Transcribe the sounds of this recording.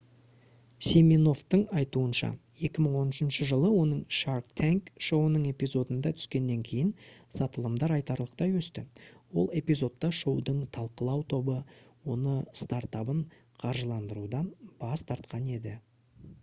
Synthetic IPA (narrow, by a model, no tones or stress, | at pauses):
semʲino̞ft̪əɴɑjt̪uənʃɑ̰je̞kʲɪməɴwo̞nɪʃɪnʃəʒəlˠəwo̞nəɴʃaɾk̚t̪ʰaŋkʃo̞wənəɴe̞pijzo̞d̪ənd̪ɑt̪ʰʏ̥skʲe̞nːe̞ŋkʲʰe̞jɪnsɑt̪əlˠəmd̪ɑɾɑjt̪ɑɾlˠəqt̪ɑjwɵst̪ɪwo̞̰lˠe̞pijzo̞t̪ːɑʃo̞wd̪əɴt̪ʰɑlˠqəlˠɑwt̪ʰo̞bəwo̞nəst̪ɑɾt̪ɑbəɴ | qʰɑɾʒəlˠɑnd̪əɾud̪ɑnb̥ɑst̪ʰɑɾt̪̚qʰɑne̞d̪ɪ